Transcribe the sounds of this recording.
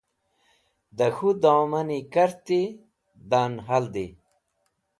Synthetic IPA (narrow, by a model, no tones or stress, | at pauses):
d̪ɐxud̪oːmɐnikɐɾt̪i | d̪anɦɐld̪i